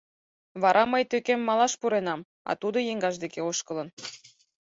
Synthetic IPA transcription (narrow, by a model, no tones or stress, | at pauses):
βɑɾʔɑməjt̪økemːɑlɑʃpuɾenɑm | ɑ̰t̪ud̪ojeŋɡɑʃd̪ekeoʃkə̆lə̆n